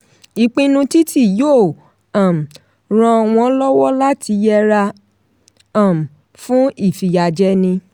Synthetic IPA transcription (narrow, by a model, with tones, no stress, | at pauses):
i˨k͡pĩ˧nũ˧ti˦ti˦˨jo˦˨ | ã˨m̩˨ | ɾ̃ɔ̃˧w̃ɔ̃˧˦lɔ˦wɔ˦la˦tʰi˧˦jɛ˦ɾa˧ | ã˨m̩˨ | fũ˦i˦˨fi˨ja˨d͡ʒɛ˦nĩ˧